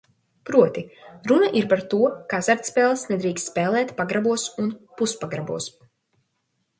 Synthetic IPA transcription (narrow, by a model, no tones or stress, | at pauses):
pɾuɔt̪iɾunaʔiɾpaɾt̪uɔkazaɾt̪spɛːlˠsnɛd̪ɾiːkst̪spɛːlˠɛːt̪paɡɾabuɔsunpuspaɡɾabuɔs